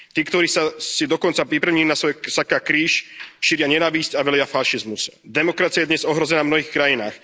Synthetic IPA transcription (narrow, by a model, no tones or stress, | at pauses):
t̪iːkt̪ɔɾiːsasid̪ɔkɔnt͡sapɾipɾaʊɲilinasʋɔjɛsakaːkɾiːʃʃiɾɪaɲɛnaːʋiscaʋɛlɪafaʃizmusd̪ɛmɔkɾat͡siajɛd̪ɲɛzɔɦɾɔzɛnavmnɔɦiːxkɾajinaːx